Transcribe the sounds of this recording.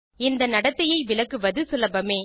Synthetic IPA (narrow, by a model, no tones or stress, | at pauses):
ɪnd̪ɐnɐɽɐt̪ːɐjɐɪʋɪlɐkːɯʋɐðɯsɪlɐbɐmeː